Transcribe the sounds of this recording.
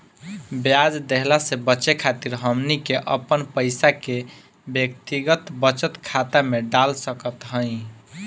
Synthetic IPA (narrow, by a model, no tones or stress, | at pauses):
bjad͡ʒd̪eɦlasebəːt͡ʃekʰat̪iɾɦəmnikeʔəpənpəjsake | bjəkt̪iɡət̪bət͡ʃət̪kʰat̪ameɖalsəkət̪ɦəj̃